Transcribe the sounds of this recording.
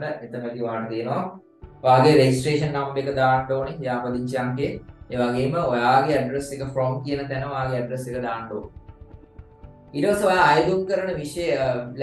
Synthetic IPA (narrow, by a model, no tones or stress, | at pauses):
ʈəet̪əmeɡ̪ioaɦaʈət̪ijənoʋa | oaːɡeɾeɡisʈreːʂənːambekəd̪aːnɖoːnejaːpəd̪iɲt͡ʃejaŋɡeeːʋaɡeːməojaːɡeæɖresekəfɾoːmkijənət̪ænəojaːɡeɛɖresekəd̪aːɳɖo̰ːn | iːʈəpasəojaːjd̪uŋkəɾɐnəʋiʂejəl